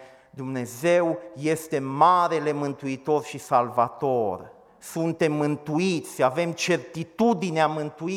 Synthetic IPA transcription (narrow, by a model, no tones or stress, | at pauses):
d̪umne̞ze̞wje̞st̪e̞maɾele̞mɨnt̪uit̪o̞rʃisalvat̪o̞r | sunt̪e̞mːɨnt̪uit̪sʲave̞mt͡ʃe̞rt̪it̪ud̪ineamɨnt̪ui